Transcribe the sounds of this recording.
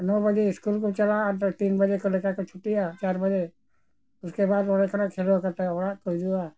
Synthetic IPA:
nɔːbɐd͡ʒeɪskuːlkot͡ʃɐlat̪t̪iːnbɐd͡ʒekolekakot͡ʃʰʊʈijat͡ʃaːɾbɐd͡ʒe | ʊskebaːd̪ɔɾekənakʰeːlwakɐɾt̪aʋɔɾakod͡ʒua

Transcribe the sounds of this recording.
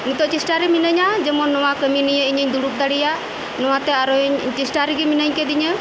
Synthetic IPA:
mit̪ɔʔt͡ʃisʈaɾɛminəɲad͡ʒɛmɔnːɔwakəminijəiɲəɲd̪uɽup̚d̪aɽija | nɔwat̪ɛaɾɔɲt͡ʃisʈaɾɛɡiminəɲkɛd̪iɲə

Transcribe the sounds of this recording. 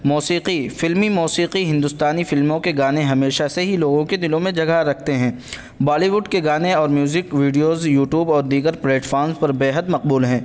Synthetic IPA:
muːsiːqifɪlmimɔːsiːqiɦɪ̃nd̪ʊst̪aːnifɪlmõkeɡaːneɦɐmeːʃaseɦiloːɡõked̪ɪlõmẽd͡ʒɐɡaɾɐk̚ʰt̪eɦɛ̃ː | baːliʋʊɖkeɡaːneɔːɾmjuːzɪkʋiːɖijoːzjuːʈjuːbɔːɾd̪iːɡəɾpleːʈfɔːɾnzpɐɾbeːɦəd̪mɐq̚buːlɦɛ̃ː

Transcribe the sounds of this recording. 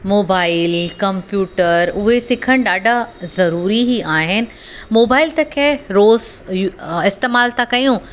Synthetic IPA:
moːbaːɪlkɐ̃mpjuːʈəɾʊɦesɪkʰəɽ̃ɗaːɖʱazɐɾuːɾiɦiaːɦɪnɪ̆ | moːbaːɪlt̪ɐkʰeɾoːz | ɪst̪eːmaːlt̪akɐjũ

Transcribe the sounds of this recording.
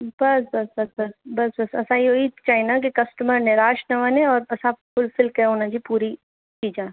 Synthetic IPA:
bɐsbɐsbɐsbɐsbɐsbɐsɐ̰sãjoiːt̪t͡ʃaːinak̬ikɐsʈəməɾnɪɾaːʃnɐʋanẽɔːɾɐsãfʊlfɪlkeɦonãd͡ʒipuːɾi | t͡ʃiːd͡ʒaː

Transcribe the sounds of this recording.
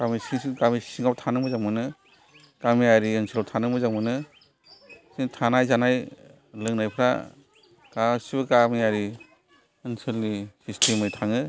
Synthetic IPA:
ɡ̥amisisiɡamisiŋawtʰanɯmɯzamɯnɯ | ɡ̥amijaɾiɯnsɯlawtʰanɯmɯzamɯnɯ | siŋtʰanajzanaj | lɯŋnajpʰɾa̰ | ɡasibɯɡamijaɾi | ɯnsɯlːisistʰemɯjtʰaŋɯ

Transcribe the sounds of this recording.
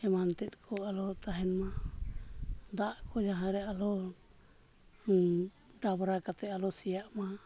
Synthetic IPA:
ɛmant̪ɛt̪̚ˀkʰɔalɔt̪aɦɛnma | d̪aʔkʰɔd͡ʒaɦãɾɛalɔ | ɖabɾakat̪ɛalɔsijaʔma

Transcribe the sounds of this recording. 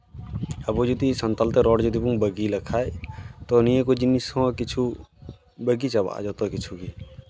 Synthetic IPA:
ɐbod͡ʒut̪isə̃nt̪əlt̪eɾɔːɽd͡ʒud̪ibũŋbəɡilɐkʰaːet̪onijẽkod͡ʒinisoakɪt͡ʃʰu | bəɡit͡ʃɐba̰ːd͡ʒot̪okɪt͡ʃʰuki

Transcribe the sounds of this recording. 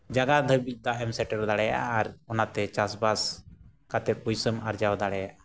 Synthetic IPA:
d͡ʒaɡad̪ʱəbic̚ˀd̪aʔɛmsɛʈɛɾɔd̪aɽɛja̰ʔaːɾɔnat̪ɛt͡ʃasbas | kat̪ɛp̚bujsəmaɾd͡ʒawd̪aɽɛjaʔa

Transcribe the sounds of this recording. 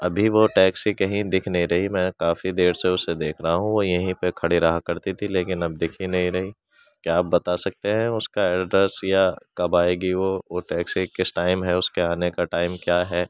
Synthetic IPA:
ɐbʱiʋoʈɛːksikɐɦĩd̪ɪkʰnɐɦĩɾɐɦimɛ̃ːkaːfid̪eːɾseʊsed̪eːkʰɾɐɦaɦũʋojɐɦĩpekʰɐɽiɾɐɦakɐɾt̪it̪ʰileːkɪnɐb̚d̪ɪkʰinɐɦĩɾɐɦi | kjaːp̚bɐt̪asɐk̚t̪eɦɛ̃ʊskaɛːɖɾəsjakɐbaːeːɡiʋoʋoʈɛːksikɪsʈaːɪmɦɛʊskeaːnekaʈaːɪmkjaːɦɛː

